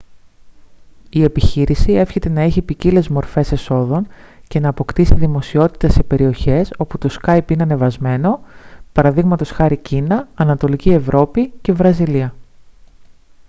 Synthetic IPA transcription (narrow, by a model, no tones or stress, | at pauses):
ie̞piçiɾisie̞fçe̞t̪e̞nɐe̞çipicile̞zmo̞ɾfe̞se̞so̞ðo̞nce̞nɐːpo̞kt̪isiðimo̞sio̞t̪i̥t̪ɐse̞pe̞ɾio̞çe̞so̞put̪o̞skɐjpineɐnevɐzme̞no̞pɐɾɐðiɣmɐt̪o̞sxɐɾicinɐːnɐt̪o̞licie̞vɾʔo̞pice̞vɾɐziliɐ